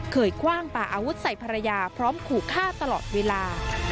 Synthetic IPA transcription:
kʰɤː˨˩jkʰwaː˥˩ŋpaː˨˩ʔaː˧wu˦˥t̪̚sa˨˩jpʰa˧ɾa˧jaː˧pʰɾɔː˦˥mkʰuː˨˩kʰːaː˥˩t̪a˧lɔ̰ː˨˩t̪̚weː˧laː˧

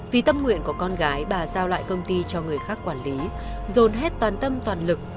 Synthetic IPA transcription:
vi˨˩t̪ə˧mŋwḭ˧˨ənku˨˩əkɔ˧nɣaː˨˦jɓaː˨˩zaː˧wla̰ː˧˨jkə˧wŋ͡mt̪i˧t͡ɕɔ˧ŋɨ˨˩əjxaː˦˥kːwaː˧˩nli˨˦ | zo˨˩nɦɛ˦˥t̚t̪waː˨˩nt̪ə˧mt̪waː˨˩nlɨ˨˩k̚

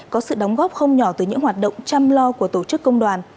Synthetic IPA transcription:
kɔ˨˦sɨ̰˧˨ɗɔ˨˦wŋ͡mɣɔ˦˥p̚xə˧wŋ͡mɲɔ˧˩t̪ɨ˧˩ɲɨ̰˧˥ŋɦwaː˨˩t̚ɗə̰˧˨wŋ͡mt͡ɕa˧mlɔ˧ku˧˩ət̪o˧˩t͡ɕɨ˦˥kːə˧wŋ͡mɗwaː˨˩n

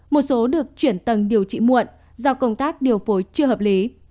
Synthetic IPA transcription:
mo˨˩t̚so˨˦ɗɨ˨˩ək̚t͡ɕwi˧˩ənt̪ə˨˧˩ŋɗi˨˩əwt͡ɕḭ˧˥mṵ˧˨ən | zɔː˧˩wkə˧wŋ͡mt̪aː˦˥k̚ɗi˨˩əwfo˨˦jt͡ɕɨ˧əɦəː˨˩p̚li˨˦

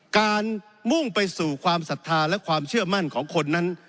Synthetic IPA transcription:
kaː˧n | mu˥˩ŋpa˧jsuː˨˩kʰwaː˧msa˨˩t̪ʰːaː˧lɛ˦˥kʰwaː˧mt͡ɕʰɯ˥˩ɐma˥˩nkʰɔː˩˦ŋkʰo˧nːa˦˥n

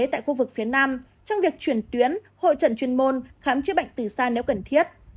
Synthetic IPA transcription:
t̪a̰ː˧˨jxu˧vɨ˨˩k̚fi˨˦ənaː˧m | t͡ɕɔ˧wŋ͡mvi˨˩ək̚t͡ɕwi˧˩ənt̪wi˨˦ən | ho̰˧˨jt͡ɕə̰˧˩nt͡ɕwi˧ənmo˧nxaː˨˦mt͡ɕɨ˦˥ɓa̰˧˨jŋ̟t̪ɨ˨˩saː˧nɛ˨˦wkə˧˩nt̪ʰi˦˥ət̚

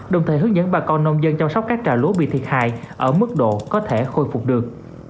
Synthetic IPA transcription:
ɗə˨˧˩wŋ͡mt̪ʰə˨˩ɦɨ˨˦əŋzə̰˧˥nɓaː˧˩kɔ˧nːə˧wŋ͡mzə˧nt͡ɕa˧wŋ͡msa˦˥k͡p̚kːaː˦˥k̚t͡ɕaː˧˩lu˨˦ɓḭ˧˨t̪ʰi˨˩ət̚ha̰ː˧˨jʔəː˧˩mɨ˦˥k̚ɗo̰˧˨kɔ˨˦t̪ʰe˧˩xo˧jfʊ˨˩k͡p̚ɗɨ˨˩ək̚

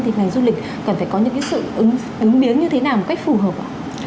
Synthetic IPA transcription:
t̪ʰi˨˩ŋa˨˩ŋzu˧lï˨˩k̟̚ | kə˨˩nfaː˧˩jkɔ˨˦ɲɨ̰˧˥ŋkːŋsɨ̰˧˨ʔɨ˨˦ŋ | ʔɨ˨˦ŋɓi˨˦ənɲɨ˧t̪ʰe˨˦naː˨˩wmo˨˩t̚ka˦˥k̚fu˨˩ɦəː˨˩p̚ʔa̰ː˧˩

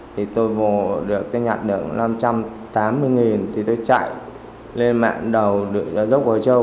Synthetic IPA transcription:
t̪ʰi˨˩t̪o˧jvo˨˩ɗɨ˨˩əkːa˨˦ɲaː˨˩t̚ɗɨ̰˨˧˩əŋna˧mt͡ɕa˧m | t̪aː˨˦mːɨ˧əjŋi˨˩nt̪ʰi˨˩t̪o˧jt͡ɕa̰˧˨j | le˧nma̰ː˧˨ŋɗə˨˩wɗɨ˨˩kːzə˦˥wk͡p̚vəː˨˩jt͡ɕə˧

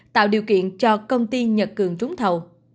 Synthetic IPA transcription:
t̪a̰ː˧˨wɗḭ˨˩əwkḭ˧˨ənt͡ɕɔ˧kə˧wŋ͡mt̪i˧ɲə˨˩t̚kɨ˨˩əŋt͡ɕʊ˨˦ŋ͡mt̪ʰə˨˩w

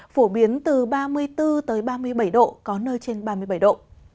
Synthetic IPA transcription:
fo˧˩ɓi˨˦ənt̪ɨ˨˩ɓaː˧mɨ˧əjt̪ɨ˧t̪əː˨˦jɓaː˧mɨ˧əjɓa˧˩jɗo̰˧˨kɔ˨˦nəː˧jt͡ɕe˧nɓaː˧mɨ˧əjɓa˧˩jɗo̰˧˨ʔ

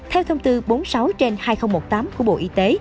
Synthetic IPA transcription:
t̪ʰɛ˧wt̪ʰə˧wŋ͡mt̪ɨ˧ɓo˨˦nsa˨˦wt͡ɕe˧nhaː˧jxə˧wŋ͡mmo˨˩t̚t̪aː˨˦mku˧˩əɓo̰˧˨ʔi˧˦t̪e˨˦

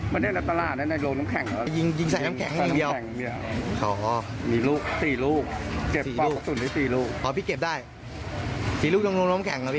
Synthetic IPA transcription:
ma˧ni˧˥˩na˧˩t̪a˧laː˨˩t̪̚na˦˥na˧loː˧ŋlo˧˦˥mkʰɛ˨˦ŋ˦˧˩ji˧ŋji˧ŋsa˨˩˦naː˦˥kʰɛ̰˨˩˦ŋa˥˧˨də˧wdi˧ɐ˧wkʰɔː˩˦ | miː˧luː˥˩k̚siː˨˩luː˥˩k̚ke˨˩siː˨˩˧luː˩˥˩ɔ˦˥su˨˩˦ndaː˥˩siː˨˩luː˥˩k̚ʰɔː˩˦pʰiː˧˥˩ke˨˩daː˥˩j | siː˨˩luː˥˩k̚o˧ŋloː˧nlo˦˥mkʰɛ˨˩˦ŋka˧˦˥pʰiː˦˧˩

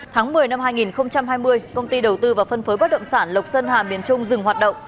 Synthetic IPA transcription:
t̪ʰaː˨˦ŋmɨ˨˩əjna˧mɦaː˧jŋi˨˩nxə˧wŋ͡mt͡ɕa˧mhaː˧jmɨ˧əjkə˧wŋ͡mt̪i˧ɗə˨˩wt̪ɨ˧vaː˨˩fə˧nfə˨˦jɓa˦˥t̚ɗə̰˧˨wŋ͡msaː˧˩nlə˨˩wk͡p̚sə˧nhaː˨˩mi˨˩ənt͡ɕʊ˧ŋ͡mzɨ˨˩ŋhwaː˨˩t̚ɗə̰˧˨wŋ͡m

